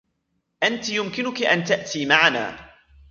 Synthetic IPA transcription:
ʔant̪ɪjʊmkɪnʊkɪʔant̪aʔt̪iːmaʕana̰ː

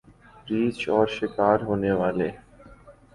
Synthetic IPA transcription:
ɾit͡ɕɔɾʃikaɾɦonewale

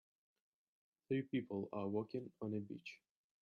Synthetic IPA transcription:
θɹipipʰəlˠəwɔkɪ̃ŋə̃nəbḭt͡ʃ

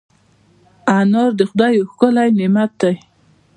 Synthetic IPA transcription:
anoɾd̪əxʊd̪ɑjoxkʊlajnɪmat̪̚d̪aj

